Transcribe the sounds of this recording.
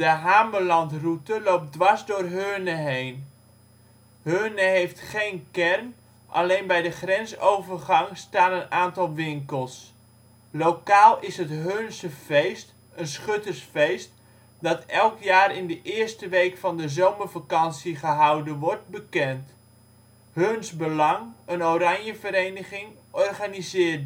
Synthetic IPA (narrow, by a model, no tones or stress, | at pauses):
dəɦaːmbəlɑntrutəlowp̚dʋɑɹzdʊːrɦøːnəɦejn | ɦhøːnəɦejftχejnkɛrn | ʔɑ̰lejnbɛjdəχrɛnsowvərχɑŋstaːnənaːntɑlˠʋɪŋkəlˠs | lowkaːlˠɪsɦətɦønsəvejst | ənsχɵtərsfejst | dɑtɛlˠkjaːɾɪndəʔɪːrstəʋejkfɑndəzowməɹvakɑnsiχəɦɑwdənʋɔɹt̚bəkɛnt | hɵnzbəlɑŋənoɾɑɲjəvəɾejnəχɪŋ | ʔɔrχanizɪːrt